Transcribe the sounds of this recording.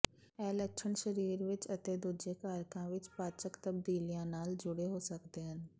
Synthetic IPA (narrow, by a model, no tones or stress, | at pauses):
ɛːləkʃʰəɳʃəɾiːɾʋɪt͡ʃət̪ed̪ud͡ʒekaːɾkãʋɪt͡ʃpaːt͡ʃəkt̪əb̚d̪iːlijãːnaːld͡ʒʊɽeɦoːsəkd̪eːɦən